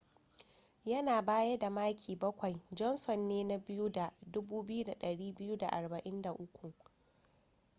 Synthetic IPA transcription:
jɐ˦naː˨baː˦jɐ˦da˨maː˦kʲʰiː˨bɐ˦kʷa˨jd͡ʒɔ˦nsɔ˨nːeː˦na˦bɪ˦ju˦da˨dʊ˦buː˦bɪ˦ju˦da˨ɗɐ˨ɽiː˦bɪ˦ju˦da̰˨ʔa˨rbɐ˨ʔɪ˦nda˨ʔʊ˦kʷu˨ʔ

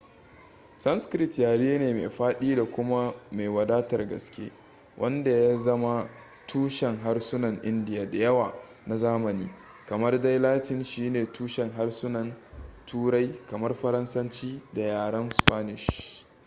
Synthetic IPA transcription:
sɐ˦nskɾɪ˦tjaː˨ɽiː˦neː˨ma̰˨ɸaː˦ɗiː˦da˨kʷʊ˦ma˦ma˨jwɐ˨daː˦tɐ˨rɡɐ̰˨skʲḛː˦ | wʔɐ˦nda˨ja˦zɐ˦ma˦ | tʰuː˦ʃɛ˨ŋɦa˦rsʊ˦nɐ˨ŋʔɪ˦ndɪ˨jaː˨da˨jɐ˦waː˨ | na˨zaː˦mɐ˨niː˦ | kɐ˨mɐ˦rda˦jlaː˦tɪ˨nʃiː˦neː˨tuː˦ʃɛ˨ŋɦa˦rsʊ˦nɐ˨ntʰuː˦ɽa˦jkɐ˨mɐ˦rɸɐ˦ɾɐ˦nsɐ˦nt͡ʃiː˦da˨jaː˨ɽɐ˦nspaː˦nɪ˨ʃ

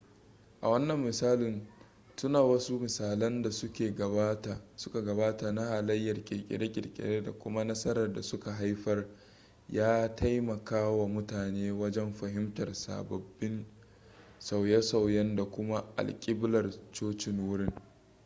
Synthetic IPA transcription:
ʔa˨wɐ˦nːɐ˨mːɪ˨saː˦lɪ˨n | tʊ˦naː˨wɐ˦su˦mɪ˨saː˨lɐ˦nda˨sʊ˦kʲeː˨ɡɐ˨ba˦ta˨sʊ̥˦ka˨ɡɐ˨baː˦ta˨na˦haː˨lɐ˦jːɐ˨rkʲʼɪ̰˨kʲʼɪ̰˨ɽe˦kʲʼɪ˨ɽkʲʼɪ̰˨ɾeː˦da˨kʷʊ˦ma˦nɐ˦sɐ˦ɾɐ˨rda˨sʊ˦ka˨ɦa˦jɸɐ˦r | jaː˦tʰa˦jmɐ˨kaː˦wa˨mʊ˦taː˨neː˦wɐ˦d͡ʒɛ˦mɸɐ˨ɦɪ˦mtɐ˨rsa̰ː˨bɐ˨bːɪ˦n | sa˨wjɛ˦sa˨wjɛ˦nda˨kʷʊ˦ma˦ʔa̰˨lkʲʼɪ˦blɐ˨rt͡ʃoː˦t͡ʃɪ˨ŋwʊ˦ɽɪ˦ŋ

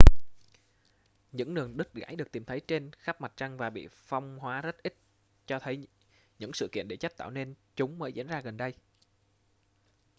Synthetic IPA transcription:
ɲɨ̰˧˥ŋnɨ˨˩əŋɗɨ˦˥k̚ɣa̰ː˧˥jɗɨ˨˩ək̪̚i˨˩mt̪ʰjt͡ɕe˧nxa˦˥p̚ma˨˩t̚t͡ɕa˧ŋvaː˨˩ɓḭ˧˨fa˧wŋ͡mhwaː˨˦zə˦˥t̚ʔi˦˥t̚ | t͡ɕɔ˧t̪ʰə˨˦j | ɲɨ̰˧˥ŋsɨ̰˧˨kḭ˧˨ənɗe˧˩t͡ɕa˦˥t̪a̰ː˧˨wne˧nt͡ɕʊ˨˦ŋ͡mməː˨˦jzḭ˧˥ənzaː˧ɣə˨˩nɗə˧j

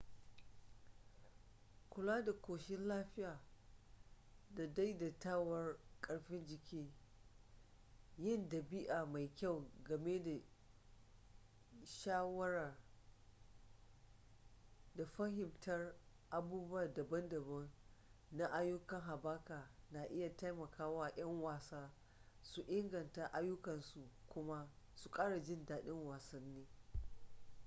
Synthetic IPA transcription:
kʷʊ˨laː˦da˨kʷoː˨ʃɪ˦nlaː˦ɸɪ˦jaː˨ | da˨da˦jda˨taː˦wɐ˦rkʼɐ˨ɽɸɪ˦nd͡ʒɪ˨kʲiː˦ | jɪ˦˨ndɐ˨bi˦ʔaː˨ma˨jkʲa˦˨wɡɐ˨me˦da˨ | ʃaː˦wɐ˦ɽa˨ | da˨ɸɐ˦ɦɪ˨mtɐ˦r | ʔa˨buː˦bu˦a˦˨dɐ˨bɐ˦ndɐ˨bɐ˦n | na˦ʔa˦jʊ˦kɐ˨ŋɦa˨baː˦kaː˨na˨ʔɪ˦ja˨ta˦jmɐ˨kʰaː˦wa˦j̰ɐ˦ŋwaː˨saː˦ | su˨ʔɪ˦ŋɡɐ˨nta˨ʔa˦jʊ˦kɐ˨nsu˨kʷʊ˦ma˦ | su˨kʼaː˦ɽa˨d͡ʒɪ˦ndaː˨ɗɪ˦ŋwaː˨sɐ˦nːiː˦

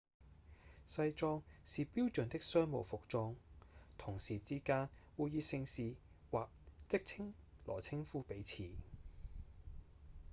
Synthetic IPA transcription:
sɐ˧jt͡sɔː˧ŋsiː˨piː˥wt͡ʃɵ˨˩nt̪ɪ˥k̚sœː˥ŋmo˨˩wfʊ˨k̚t͡sɔː˧ŋt̪ʰʊ˨˩ŋsiː˨˩t͡siː˥kaː˥nwuː˨˧jiː˧sɪ˧ŋsiː˨ | waː˨k̚t͡sɪ˥k̚t͡sʰɪ˥ŋlɔ̰ː˨˩t͡sʰɪ˥ŋfuː˥pe˨˥jt͡sʰiː˨˩

